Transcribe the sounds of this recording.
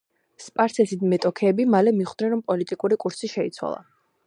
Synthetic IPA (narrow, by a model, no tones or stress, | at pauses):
spʼaɾsɛsid̪mɛt̪ʼɔkʰɛːbimalɛmiχd̪nɛnɾɔmpʼɔlit̪ʼikʼuɾikʼuɾsiʃɛit̪sʰwa̰lˠa̰